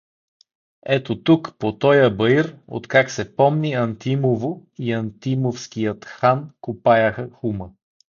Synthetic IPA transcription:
ɛt̪ot̪ukpot̪ɔjəbəiɾo̰t̪kaksɛpɔmniɐnt̪imovoiɐnt̪imofsk̟ijət̪xankupajɐxəxumə

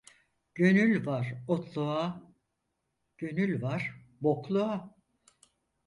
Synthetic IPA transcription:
ɟ̥ø̞nylʲvaɾot̪ʰlˠua | ɟ̥ø̞nylʲvaɾ̥ | boklˠua

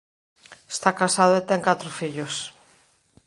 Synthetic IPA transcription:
est̪akasaðoet̪ɛŋkat̪ɾʊfiʎos

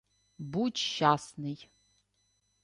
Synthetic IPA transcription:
bud͡ʒʃaːsnɨj

